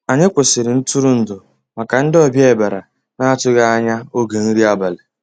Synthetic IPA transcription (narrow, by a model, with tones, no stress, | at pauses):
a˨ɲe˦kʷʊ˨sɪ˨ɾɪ˨n̩˦tʊ˦ɾʊ˦n̩˨dʊ˨ | ma˨ka˨n̩˦dɪ˦ɔ˦bje˦e˨ba˨ɾa˨ | na˦tʊ˦ɡa˦a˦ɲa˦o˦ɡe˨n̩˦ɾi˦a˦ba˨le˨